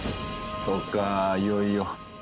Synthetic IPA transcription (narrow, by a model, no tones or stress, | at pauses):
sokajojo